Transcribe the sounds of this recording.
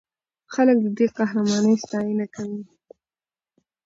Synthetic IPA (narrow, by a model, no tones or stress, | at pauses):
xalək̚d̪əd̪eqahɾamɑnəjst̪ɑjɪnakawi